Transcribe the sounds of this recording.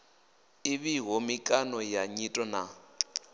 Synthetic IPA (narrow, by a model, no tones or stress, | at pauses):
iβiɦɔmikʼanɔjaɲitʼɔna